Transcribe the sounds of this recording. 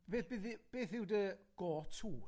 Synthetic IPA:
beːθbɪðɪb̥eːθɪwdəɡ̥ɔːtʰuː

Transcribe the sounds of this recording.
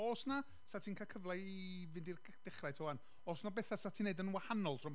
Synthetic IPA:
ɔːsna | satʰinkʰakʰəvlˠai | vɪndir | d̥ɪχratʰɔwan | ɔːsnɔbɛθasatʰineɨdənwahanɔlˠtʰrɔm

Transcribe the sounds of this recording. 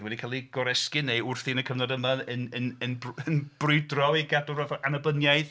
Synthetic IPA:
wɛdikʰaːlˠiɡ̥ɔɾɛskɨnejʊrθinəkʰəvnɔdəmaənənənənb̥rʊɨdrɔiɡadʊroðɔʔanəbənjajð

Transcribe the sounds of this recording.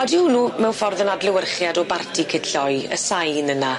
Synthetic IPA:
ɔdɪwnuːmɛwnfɔrðənadlɪwərχjadɔbartʰikʰɪdɬɔɨə̰sajnəna

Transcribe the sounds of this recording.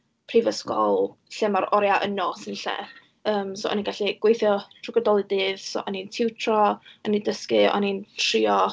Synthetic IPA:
pʰrivəskɔlˠɬɛmaɾɔɾjaʔənɔsɪnɬɛ̰ | əːmsoːʔɔ̰niɡaɬiɡ̥wejθjɔtʰrɪɡɔdɔlˠɨdɨːð̥so̰ʔɔnintʰɪwtʰrɔɔnidəskɨɔ̰nintʰriːɔ

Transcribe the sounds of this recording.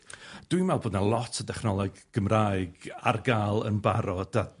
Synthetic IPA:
d̥winmɛlˠboːdnalˠɔtʰədɛχnɔlˠɔɡɡ̥əmraːɨɡarɡaːlˠə̰nba̰ɾɔd̥a

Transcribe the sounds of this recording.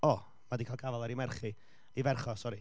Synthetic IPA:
ɔ | madikʰalˠɡavɛlˠɛɾimɛrχi | ivɛrχɔsɔɾi

